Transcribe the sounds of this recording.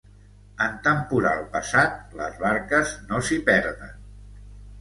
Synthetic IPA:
ənt̪əmpuɾa̰lˠpəsat̪̚lə̰zβaɾkəznosipɛɾðə̰n

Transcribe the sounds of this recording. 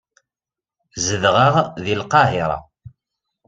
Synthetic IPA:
zəðʁəʁðilqɑɦiɾˤɑ̰

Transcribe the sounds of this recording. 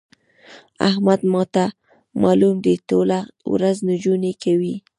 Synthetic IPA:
a̰hmad̪mɑt̪a | mɑlumd̪ət̪olawɾaznʊd͡ʒunekawi

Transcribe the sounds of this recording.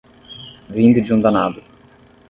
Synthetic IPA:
vĩnd̪ud͡ʒũnd̪anad̪ʊ

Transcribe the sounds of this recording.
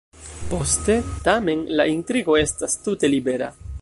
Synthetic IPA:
po̞ste̞tame̞nlaʔintɾiɡo̞e̞stastute̞libe̞ɾa̰

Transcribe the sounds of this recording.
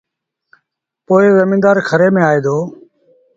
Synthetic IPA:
poːɪzəmiːnd̪aːɾkʰəɾeːmẽːaːeːd̪oː

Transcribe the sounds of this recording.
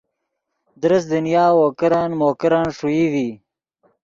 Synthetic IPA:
d̪ɾəsd̪ənijɑːwokəɾɑːnmoːkəɾaːnʂujiwi

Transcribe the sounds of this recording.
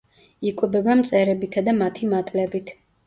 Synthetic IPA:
ikʼwɛbɛbamt̪sʼɛɾɛbit̪ʰad̪amat̪ʰimat̪ʼlɛbit̪ʰ

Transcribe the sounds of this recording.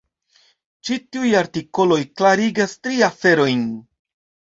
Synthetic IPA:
t͡ʃitiujaɾtiko̞lo̞jklaɾiɡastɾiafe̞ɾo̞jn

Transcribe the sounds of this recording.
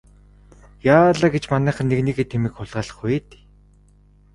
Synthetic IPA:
jaːɮaːɡet͡ɕmanæːχə̆nːeɣniːɣeːt̪ʰemiːkχʊɮʁaːɮə̆χueːt̪

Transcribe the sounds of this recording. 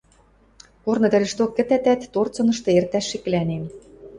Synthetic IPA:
kornɤ̆d̪æ̆ɾʲĕʃt̪okːɘ̆t̪æt̪æt̪ːort͡sɤ̆nɤ̆ʃt̪ɤ̆ert̪æʃːek̆lænem

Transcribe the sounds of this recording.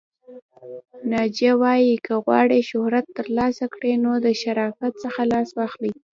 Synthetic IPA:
nɑd͡ʒawɑjikʰəɣwɑ̰ɽeʃʊhɾat̪ːəɾlɑsakɽenod̪əʃaɾɑfat̪̚səxalɑswɑxli

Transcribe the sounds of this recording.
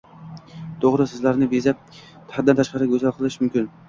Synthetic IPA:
t̪ʰoʁɾɨsɪzlaɾnɪbezap̚ | t̪ʰad̪ant̪ʰaʃqɑɾɪɡʲɵzalˠqʰɨlˠɪʃmʊmkʲɪn

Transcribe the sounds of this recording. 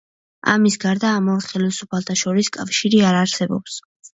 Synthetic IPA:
a̰misɡaɾd̪aːmɔχɛlisupʰalˠt̪ʰaʃɔɾiskʼafʃiɾiaɾaɾsɛbɔ̰ps

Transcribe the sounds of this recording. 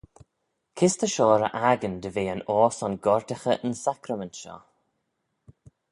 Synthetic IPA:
kʰɪst̪əʃɔːɾə̰ʔaɡənd̪əveːənɔːsɔnɡɔɹt̪ɪxəʔənsakɾəməntʃɔ̰

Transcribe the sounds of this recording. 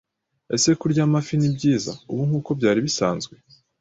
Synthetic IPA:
e̞̰se̞kuɾɟaːmafinibɟiːza̰uβuŋ̥huːko̞bɟaːɾiβisaːnzɡwe̞

